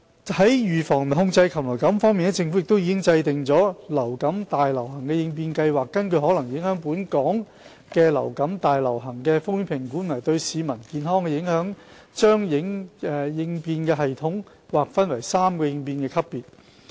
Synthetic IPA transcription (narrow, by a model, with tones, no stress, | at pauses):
hɐ˨˥jjyː˨˩fɔː˨˩ŋ˨˩hʊ˧ŋt͡sɐ˧jkʰɐ˨˩lɔ˨˩wkɐ˨˥mfɔː˥ŋmiː˨nɛ˧˥t͡sɪ˧ŋfu˨˥jɪ˨k̚t̪o˥wjiː˧˥kɪ˥ŋt͡sɐ˧jt̪ɪ˨ŋt͡sɔː˨˥lɐ˨˩wkɐ˨˥mt̪aː˨˩jlɐ˨˩whɐ˨˩ŋkɛː˧jɪ˧ŋp̬iː˧nkɐ˧jwaː˨k̚ːɐ˥nkʰɵ˧ɥhɔː˨˥lɐ˨˩ŋjɪ˨˥ŋhœː˨˥ŋpuː˨˥nkɔː˨˥ŋ | kɛː˧lɐ̰˨˩wkɐ˨˥mt̪aː˨jlɐ˨˩wɦɐ˨˩ŋkɛː˧fʊ˥ŋjy˥pʰɪ˨˩ŋkuː˨˥nɔː˨˩jt̪ɵ˧ɥsiː˨˧mɐ˨˩nkiː˨˧nɦɔː˥ŋkɛ˧jɪ˨˥ŋhœː˨˥ŋ | t͡ʃœː˥ŋjɪ˨˥ŋɛː˨jɪ˧ŋpiː˧nkɛː˧ɦɐ˨jt̪ʰʊ˨˥ŋ | waː˨˩k̚fɐ˥nwɐ˨˩jsaː˥mkɔː˧jɪ˧ŋpiː˧nkɛː˧kʰɐ˥pːiː˨˩t̚